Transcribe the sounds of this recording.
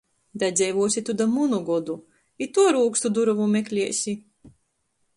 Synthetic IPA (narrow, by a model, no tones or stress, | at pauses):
d̪ad̪zʲɛjvuɔsʲit̪ud̪amunuɡɔd̪u | it̪ːuɔɾuːkst̪ud̪uɾavumʲeklʲiɛsʲi